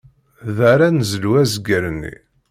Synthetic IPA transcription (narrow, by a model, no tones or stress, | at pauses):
ðaɾænəzəluwæzəɡəɾənːḭ